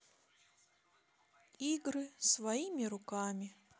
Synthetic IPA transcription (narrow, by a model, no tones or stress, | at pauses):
iɡɾɨsvɐimʲɪɾʊkamʲɪ